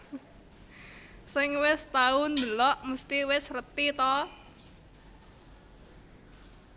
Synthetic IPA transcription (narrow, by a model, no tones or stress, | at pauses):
sɪŋwɪst̪aʊnd̪əlɔʔmust̪iwɪsrət̪it̪ɔ